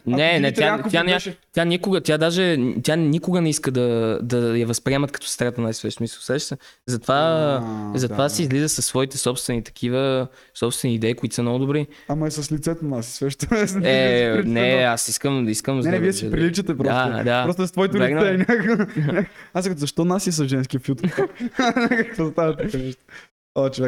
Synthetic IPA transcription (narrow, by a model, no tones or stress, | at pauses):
nɛnɛt̪jaakt̪janɛt̪ʲjanikoɡət̪ʲjad̪aʒɛt̪ʲjanikoɡənɛiskəd̪ɐd̪ɐjɐvɐspɾiɛmɐt̪kɐ̥t̪ɔ̥st̪ɾat̪ənajsvɛʃsmisəlˠsɛʃsə | zɐt̪ova | zɐt̪ovasiizlizəsɐsːvɔit̪ɛsɔpst̪vɛnit̪ɐ̥kʰivə | sɔpst̪vɛniːd̪ɛikʊit̪isəmnɔɡʊd̪ʊbɾi | ɐmɐɛsɐslit̪sɛt̪onasi̥svɛʃt̪oɛɾnɛasiskəmiskəmznɛɛviɛsipɾilit͡ʃət̪ɛpɾɔsad̪aɾɔst̪st̪vɔit̪ʊlliɛɡnɛinʲakoknʲakast̪zɐʃt̪ɔnasiɛs̬ɐʒɛns̬kʲiəfit̪k̪ | kɐkvozt̪avɐt̪ɐkɐviʃt̪ə | ot͡ʃovɛ